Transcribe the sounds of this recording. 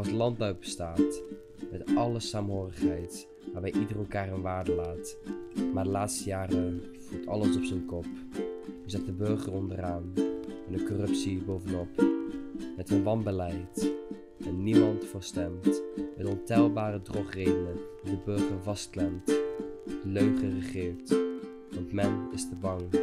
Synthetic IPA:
ɑlˠsəlɑnd̚bœwbəstaːt | mɛtʔɑləsaːmɦoːrəχɦɛjt | ʋaːɹbɛjʔidərəlˠkaːrənʋaːɹdəlaːtmaːɹdəlaːtstəjaːrən | v̥utɑ̰ləsɔpsənkɔp̚ | yzɑχdəbɵɹχərɔndəraːnɛndəkɔrɵpsibowvənɔp | mɛtənʋɑnbəlɛjt | ɛnːimɑntfʊːɹstɛmtmɛdəɔntɛlˠbaːrədrɔχrejdənəndidəbɵɹχəɹvɑstklɛmt | d̥əløɥχərəχɪːɹt | ʋɑntmɛnɪstəbɑŋ

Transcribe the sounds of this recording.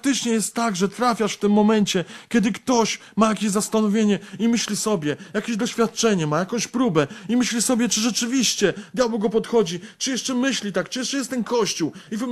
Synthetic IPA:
k̚t̪ɘt͡ʂɲɛjɛst̪ːaɡʐɛt̪ɾafʲjaʂft̪ɘmːɔmɛnt͡ɕɛkʲɛd̪ɘkt̪ɔɕ | majakʲeʑzast̪anɔvʲjeɲɛimɘɕlʲisɔbʲjɛjakʲeʑd̪ɔɕfʲat̪̚t͡ʂɛɲɛmajakɔ̃w̃ɕpɾubɛimɘɕlʲisɔbʲjɛt͡ʂɘʐɛt͡ʂɘvʲiɕt͡ɕɛd̪ʲjabwɔɡɔpɔt̪xɔd͡ʑit͡ʂɨjɛʂt͡ʂɛmɘɕlʲit̪akt͡ʂɨjɛʂt͡ʂɛjɛst̪ɛnkʰɔɕt͡ɕuwivm

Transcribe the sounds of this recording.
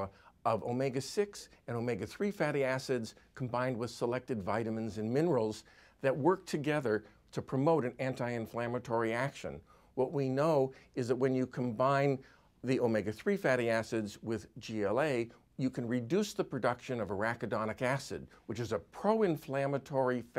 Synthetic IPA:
ʌvoʊmɛɪɡɨsɪksɨ̃noʊmɛɪɡɨθɹifæɾiæsɨdz̥kʰm̩bãɪ̃nd̚wɨð̥səlɛk̚tɨdvaɪɾɨmɨ̃nzɨ̃nmɪ̃nə˞l̩ˠz | ðɨt̚wɜ˞k̚tʰɨɡɛðə˞ | ɾɨpʰɹ̥ɨmoʊɾɨ̃næ̃ntaɪɨ̃ɱflæmɨtʰɔɹiækʃɨ̰̃n | wʌʔ̚winoʊɨzðɨt̚wɨ̃njɨkʰə̃mbãɪ̃n | ðioʊmɛɪɡɨθɹifæɾiæsɨdzwɪðd͡ʒiɛlˠeɪ | jɨkʰɨ̃nɹɨdʉsðəpʰɹ̥ɨdʌkʃɨ̃nʌvəɹækɨdɑnɨkæsɨ̰d̚wɨt͡ʃɨzəpʰɹ̥oʊɨ̃ɱflæmɨtʰɔɹif

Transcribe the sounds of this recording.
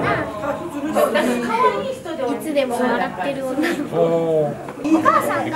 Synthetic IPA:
a | okʰajaiç̥t̪od̪it͡sɨd̪e̞moaɡat̪ːe̞ɾɯ̟joːnao | okaːsãn

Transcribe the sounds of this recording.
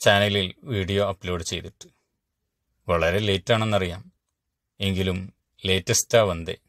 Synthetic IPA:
t͡ɕaːnɐlilʋiːɽijo̞ɐpːlo̞ːɖɨt͡ɕe̞jt̪itːu̥ | ʋɐɭɐɾe̞leːtːaːɳe̞nːɐrijaːm | e̞ŋɡilum | le̞ːtːɐstaʋɐnd̪e̞̰

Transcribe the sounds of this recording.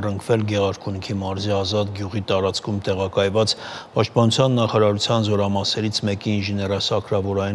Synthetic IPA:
rəŋkʰvɛlɡɛʁɑɾkʰunikʰimɑɾziɑzɑt̪ɡjuʁit̪ɑɾɑt͡skʰumt̪ɛʁɑkɑjvɑt͡spɑʃt̪̚pɑnut͡sʰjɑnːɑχɑɾɑɾut͡sʰjɑnzɔɾɑmɑsɛɾit͡sʰmɛkiːnʒɛnɛɾɑsɑkʰɾɑvɔɾɑ

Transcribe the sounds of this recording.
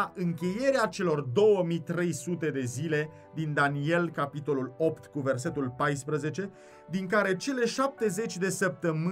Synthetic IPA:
ʔɨŋkʲe̞je̞ɾeat͡ʃe̞lo̞rd̪o̞wəmit̪ɾe̞jsut̪e̞d̪e̞zile̞ | d̪ind̪anie̞lkapit̪o̞lulo̞pt̪kuve̞rs̬e̞t̪ulpajspɾəze̞t͡ʃe̞ | d̪iŋkaɾe̞t͡ʃe̞le̞ʃap̚t̪e̞ze̞t͡ʃʲd̪e̞səp̚t̪əmɨ

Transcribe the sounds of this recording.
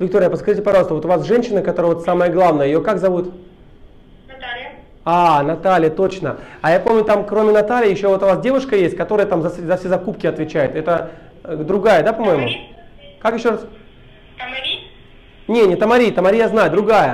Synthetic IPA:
vʲɪk̚t̪oɾʲɪjəpəskɐʐitʲɪpɐʐɑlˠst̪əvot̪ʊvasʐɛnʲɕːɪnəkɐt̪o̞ɾəvot̪saməjəɡlˠavnəjəjokakzɐvut̪ | nɐt̪alʲ | anɐt̪alʲɪjət̪o̞t͡ɕnəajapo̞mnʲʊt̪amkɾo̞mʲɪnɐt̪alʲɪjjɪɕːovo̞t̪ʊvasdʲe̞vʊʂkəjesʲt̚ʲkɐt̪o̞ɾəjət̪amzɐzɐfsʲezɐkupkʲɪɐt̪vʲɪt͡ɕæjʊt̪ɛt̪ə | d̪ɾʊɡajəd̪apɐmo̞jɪmʊ | kakjɪɕːo̞ɾas | mɐɾʲi | nʲenʲɪt̪əmɐɾʲijt̪əmɐɾʲijaznajʊd̪ɾʊɡajə

